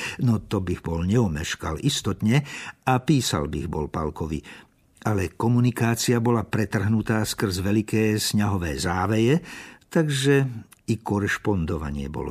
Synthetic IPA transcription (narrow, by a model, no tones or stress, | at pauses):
nɔt̪ɔbiɣbɔlɲɛɔmɛʃkalʔist̪ɔt̪ɲɛapiːsa̰lbḭɣbɔ̰lpa̰lkɔʋḭ | ʔalɛkɔmunikaːt͡siabɔlapɾɛt̪r̩ɦnut̪aːskr̩zʋɛlikɛːsɲaɦɔʋɛːzaːʋɛjɛt̪aɡʒɛ | ikɔɾɛʃpɔnd̪ɔʋa̰ɲɪɛ̰bɔ̰lɔ̰